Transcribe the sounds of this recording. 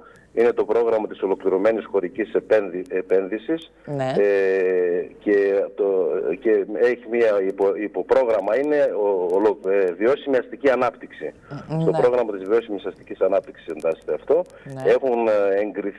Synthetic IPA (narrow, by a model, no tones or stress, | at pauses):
ine̞t̪o̞pɾo̞ɣɾɐmɐt̪i̥so̞lo̞kliɾo̞me̞nisxo̞ɾicispeepe̞nðisis | e | cet̪oceeçimiɐipoipo̞pɾo̞ɣɾɐmɐine̞lovio̞simiɐst̪iciɐnɐpt̪iksḭ | st̪o̞pɾo̞ɣɾɐmɐt̪izvio̞simisɐst̪icisɐnɐp̚t̪iksi̥se̞nd̪ɐse̥t̪eɐft̪o̞ | e̞xune̞ŋɡɾiθ